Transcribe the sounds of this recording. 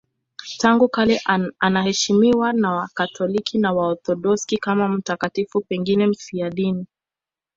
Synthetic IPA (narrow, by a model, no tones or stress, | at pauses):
taŋɡukalɛʔanahɛʃimiwanawakatʰɔlikʰinawaɔθɔɗɔskikamam̩takatifupɛŋɡinɛm̩fiaɗini